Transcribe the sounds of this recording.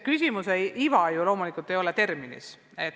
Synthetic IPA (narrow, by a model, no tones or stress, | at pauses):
kysʲimuseivɑjulo̞ːmulikˑult̪ːˑe̞jo̞let̪e̞rminḭs | e̞t̪ː